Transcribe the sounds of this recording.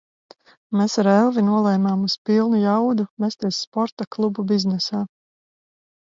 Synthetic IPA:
meːsaɾɛlˠvinuɔlˠɛjmaːmuspilˠnujawd̪uvest̪iɛsːpɔɾt̪aklˠububiznɛsaː

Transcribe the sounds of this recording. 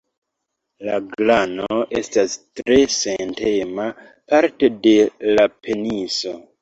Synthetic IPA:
laɡlanoʔe̞stastɾe̞sente̞ma | paɾte̞de̞lapʰe̞niso

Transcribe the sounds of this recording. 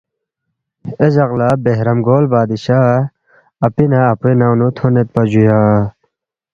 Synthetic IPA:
ed͡ʑɐɣlabeɦɾɐmɡoːlbaːd̪iɕaː | ɐpinaɐpuenawnut̪ʰonet̪̚pɐd͡ʑujaː

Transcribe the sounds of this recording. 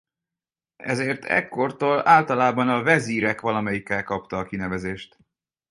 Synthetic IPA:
ɛ̰zeːrt̪ʰɛ̰kːo̞rt̪oːlaːlt̪ɒlaːbɒnɒvɛziːɾɛkʋɒlɒmɛjikːɛlkɒpt̪ɒːkinɛvɛzeːʃt̪

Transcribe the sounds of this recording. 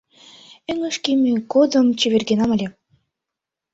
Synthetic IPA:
ɘ̆ŋɤ̆ʃkʲemʲekod̪ɤ̆mt͡ɕeβʲerɡʲenɑmɤ̆lʲe

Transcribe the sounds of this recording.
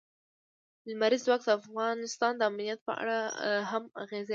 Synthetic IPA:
lmaɾizwɑk̪əafɣɑnɪst̪ɑnd̪əamnijat̪̚pə̰a̰ɽaɦamaɣez

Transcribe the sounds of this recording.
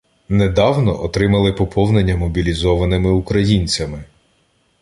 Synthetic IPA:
nɛd̪ɑwnɔʔɔt̪ɾɪmɐlˠɪpɔpʰɔwnenʲːɐmɔbʲilʲizɔʋɐnɪmɪukɾɐjinʲt͡sʲɐmɪ

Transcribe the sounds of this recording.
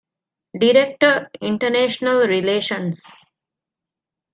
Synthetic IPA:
ɖiɾek̚ʈəɾĩɳʈəneːʃnəlɾileːʃə̃ns

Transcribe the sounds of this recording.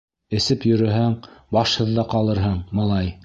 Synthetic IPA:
ɘ̆sɘpjɵ̆ɾɵ̆ɦæŋbɑʃhɤ̆ðːɑqɑlˠɤɾɦɤɴmɑlˠɑj

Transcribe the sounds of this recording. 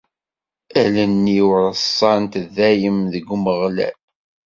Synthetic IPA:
ælænːiwɾəsˤːɑnt̪ðæjəmðəɡːməʁlæ̰l

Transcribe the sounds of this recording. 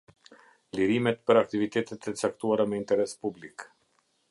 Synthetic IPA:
liɾimɛt̪pəɾak̚t̪ivit̪ɛt̪ɛt̪ɛt͡sakt̪uaɾamɛint̪ɛɾɛspublik

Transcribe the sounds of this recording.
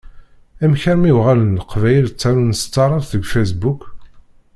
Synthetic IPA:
æmçæɾmiwʁalənləqvæjəlt͡sːæɾunst̪ːɑɾˤɑɾθəɡfæsbuk

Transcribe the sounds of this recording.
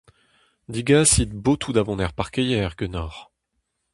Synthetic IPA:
d̪iɡasid̪bot̪ʰud̪avɔ̃nɛʁpaʁkəjɛʁɡønɔʁ

